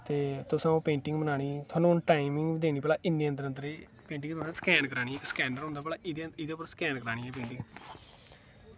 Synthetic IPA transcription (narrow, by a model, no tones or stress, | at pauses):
t̪eːt̪ʊsãːpẽːɳʈɪŋɡbənaːɽ̃iːt̪ʰʊaːnũːʈaːɪmɪŋɡd̪eːñiːpɛːlaːʔɪnːiːənd̪əɾə̃nd̪əɾeː | pẽːɳʈɪ̃ŋɡt̪ʰʊsãːskɛːnkəɾaːɽiːɛksə̥kɛːnɖəɾɦʊ̃nd̪aːpɛːlaːɪd̪ɪd̪eːpəɾsə̥kɛːnkəɾaːɽ̃iːɛːpẽːɳʈɪ̃ŋɡ